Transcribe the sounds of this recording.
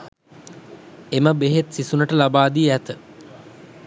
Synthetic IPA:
eməbeɦet̪sisunəʈəlabaːd̪iːæt̪ə

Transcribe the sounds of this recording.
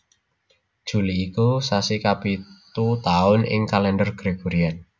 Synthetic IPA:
d̥ʒ̥ṳliːkusasikapit̪ut̪aʊnɪ̰ŋkalɛndərɡ̥ɾeɡ̥o̤ɾian

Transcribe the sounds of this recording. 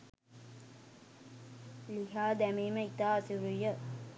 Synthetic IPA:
liɦaːd̪æmiːməit̪aːsiɾujə

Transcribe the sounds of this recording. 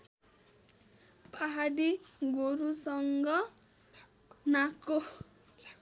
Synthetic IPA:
paɦaɽiɡoɾusʌŋɡʌ | nako

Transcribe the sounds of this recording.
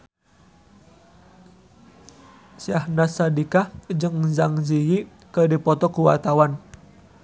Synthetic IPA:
siahnasadikad͡ʒəŋzaŋziji | kədipɔt̪ɔkuwa̰t̪awan

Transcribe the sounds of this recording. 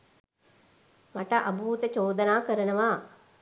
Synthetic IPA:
maʈəʔabʱuːt̪ət͡ʃoːd̪ənaːkəɾənəʋaː

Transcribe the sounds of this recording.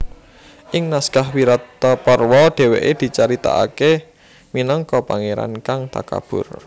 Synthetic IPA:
ʔɪŋnaskahwiɾat̪ːapərwɔɖ̪̥e̤wḛʔed̪̥i̤t͡ʃaɾit̪a̰a̰ke | minɔŋkɔpaŋeɾa̰nkaŋt̪a̰ka̰b̥ʊ̰r

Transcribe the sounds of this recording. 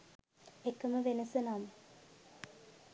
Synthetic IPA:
ekːɐməʋenɐsɐnaːmə

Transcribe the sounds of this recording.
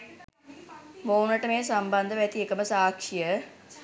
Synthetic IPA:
mounəʈəmeːsamband̪əʋæt̪iekəməsaːkʂijə

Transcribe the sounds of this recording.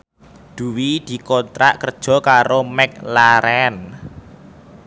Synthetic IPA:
d̪̥ṳwid̪̥i̤kɔnt̪ɾa̰ʔkərd̥ʒ̥ɔ̤kaɾomɛk̚laɾɛn

